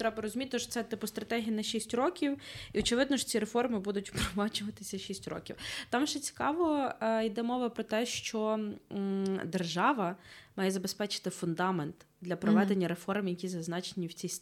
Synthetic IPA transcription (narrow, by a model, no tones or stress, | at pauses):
t̪ɾɛbɐɾɔzʲʊmʲit̪̚ʲt̪ʃt̪sɛt̪ɪpʊst̪ɾɐt̪ɛɦʲijɐnɐʃisʲtʲɾɔkʲiwiɔt͡ʃɪʋɪd̪nɔʃt͡sʲiɾefɔrmɪbud̪ʊtʲpɾɔmɑt͡ʃʊʋɐt̪ɪ̥sʲɐʃisʲtʲɾɔ̰kʲiwt̪ɑmʒɛt͡sʲi̥kɑʋɔid̪ɛmɔʋɐpɾɔt̪ɛʃt͡ʃɔ | d̪erʒɑʋɐmɑjɛzɐbespɛt͡ʃɪ̥t̪ɪfʊnd̪ɑment̪d̪lʲɐpɾɔʋɛd̪enʲːɐɾefɔrmjɐkʲizɐznɑt͡ʃenʲiwt͡sʲisʲ